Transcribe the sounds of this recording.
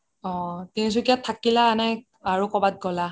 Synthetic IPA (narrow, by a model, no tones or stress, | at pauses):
ɔ̃tinis̬ukiatʰakilaːnɛ | aɹukɔbat̚ɡɔla